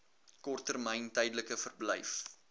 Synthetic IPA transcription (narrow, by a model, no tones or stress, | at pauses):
kɔrtːərmɛjntɛjdələkəfərblɛ̰jf